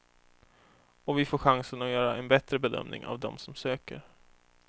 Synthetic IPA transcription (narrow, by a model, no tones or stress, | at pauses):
ɔvɪfoːɧaŋsənɔjœːɾaʔɛnbɛt̪ɾəbɛd̪œ̰mnɪ̰ŋa̰vd̪ɔmsɔmsøːkə̰ɾ